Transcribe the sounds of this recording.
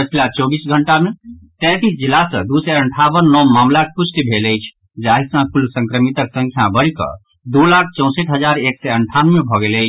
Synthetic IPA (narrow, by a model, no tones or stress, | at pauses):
pət͡ʃʰilat͡ʃɔbisɡʱəɳʈamet̪ɛ̃t̪isd͡ʒilasə̰̃d̪usɛəɳʈʰabənːɔmamlakpust̪ibʱeləjt͡ʃʰ | d͡ʒaɦisãpʰulsə̃ŋkɾəmit̪əksə̃ŋkʰjabəɽikʌ̰ | d̪olak̚ʰt͡ʃɔ̃w̃seʈɦəd͡ʒaɾeksɛəɳʈʰanmebʱɔɡeləɪt͡ʃʰ